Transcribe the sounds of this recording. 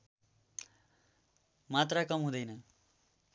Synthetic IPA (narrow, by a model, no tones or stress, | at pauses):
mat̪rakʌmɦũd̪ʌjnʌ